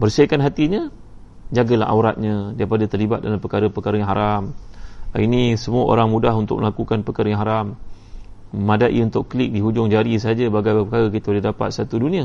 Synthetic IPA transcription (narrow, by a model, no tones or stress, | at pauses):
bərsəkanɦat̪iɲə | d͡ʒaɡəla̰ɦa̰wɾat̪̚ɲə̃dajpadat̪ərlibat̪̚dalampəkaɾəpəkaɾəjaŋɦaɾam̰ | inisəmuaʔo̰ɾaŋmudaɦunt̪ʊk̚məlakukanpəkaɾəjaŋɦaɾam | əmadaʔḭunt̪ʊkkəlɪk̚diɦud͡ʒʊŋd͡ʒaɾis̬əɦad͡ʒabaɡajbapəkaɾəkit̪audədapa̰t̪̚sat̪udunĩa